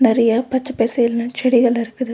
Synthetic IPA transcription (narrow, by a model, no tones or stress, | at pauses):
nɛɾɐjɐpɐt͡ʃːɐpeːsɐjɪlnɐ̃t͡ʃɛɽɪɣɐɭɪɾɯkːɯðɯ